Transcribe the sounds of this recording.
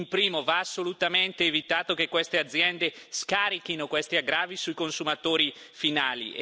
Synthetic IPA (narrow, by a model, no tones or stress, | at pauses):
mpɾiːmovaːsːolut̪ament̪eːvit̪aːt̪okekːwest̪ead̪zːjɛnd̪eskaːɾikinokwest̪iaɡɾaːvisuikonsumat̪oːɾi | finaːlḭ